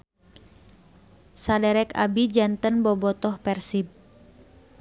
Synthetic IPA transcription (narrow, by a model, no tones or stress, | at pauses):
sadɛɾɛka̰bid͡ʒant̪ənbɔbɔt̪ɔhpɛrsib̚